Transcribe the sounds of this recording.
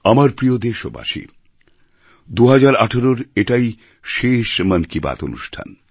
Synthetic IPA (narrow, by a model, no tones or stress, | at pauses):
amaɾpɾijod̪eʃo̰ba̰ʃḭ | d̪uɦad͡ʑaɾaʈʰaɾoɾeʈaj | ʃeʃmankiba̰t̪o̰nṵʃʈʰa̰n